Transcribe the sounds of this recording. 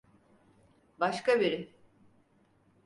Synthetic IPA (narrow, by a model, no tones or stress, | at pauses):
baʃkabiɾɪ